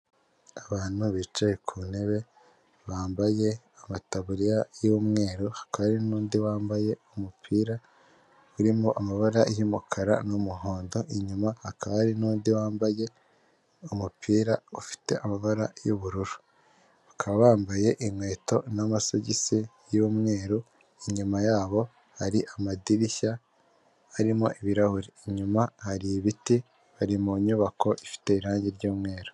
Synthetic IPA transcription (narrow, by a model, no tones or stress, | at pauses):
aβaːn̥huβiːt͡ʃajekʰune̞βe̞ | βaːmbaje̞ | amataβuɾijajomŋe̞ːɾohḁkaβaɾinuːndiwaːmbaje̞umupʰiːɾa | uɾimoʔamaβaɾajumukʰaɾa̰numuɦoːndo̞ʔiɲumahakaβaɾinuːndiwaːmbaje̞ | umupʰiːɾaufi̥te̞̰ʔamaβaɾajuβuɾuɾu̥ | βḁkʰaβaβaːmbaje̞ʔimŋwe̞ːto̞namasoɟisi | joːmŋe̞ːɾu | iɲumajaːβo̞ | haɾiʔamadiɾiça | aɾimo̞ʔiβiɾahuɾiːɲumahaɾiβiti | βaɾimuɲuβako̞ʔifi̥te̞iɾaːɲɟiɾɟuːmŋe̞ːɾo